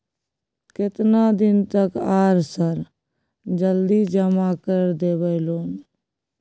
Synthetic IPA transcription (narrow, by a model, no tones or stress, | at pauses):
kɪt̪nad̪ɪnt̪əkaːɾsəɾ | d͡ʒəld̪id͡ʒəmakəɾd̪eːbəɪloːn